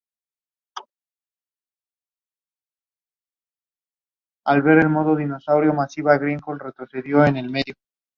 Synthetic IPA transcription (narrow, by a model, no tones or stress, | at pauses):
alβe̞ɾe̞lmo̞ðoðino̞sawɾjo̞masiβaɣɾiŋkolre̞t̪ɾo̞θe̞ðjo̞ene̞lme̞ðjo